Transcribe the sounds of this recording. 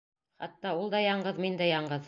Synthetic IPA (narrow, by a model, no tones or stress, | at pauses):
χɑ̰t̪ːɑulˠd̪ɑjɑɴɢɤðmind̪æjɑɴɢɤð